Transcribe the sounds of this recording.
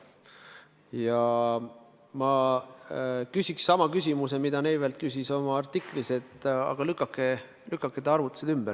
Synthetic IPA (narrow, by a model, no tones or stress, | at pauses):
jɑ | mɑ | kysʲiksːɑmɑkys̬ʲimuse̞mid̪̥ɑnejvelt̪̚kysiso̞mɑɑrt̪ːˑikˑliset̪ːˑɑ̰ɡ̥ɑlykːˑɑkːˑe | lykːˑɑkːˑed̪ɑrvut̪ːˑu̥sed̪ymb̥æɾ